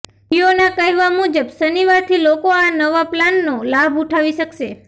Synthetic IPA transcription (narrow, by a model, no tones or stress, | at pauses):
ionakəɦɛʋamud͡ʒəbsəniʋaɾt̪ʰilokoanəʋaplanːolabuʈʰaʋiʃəkʃe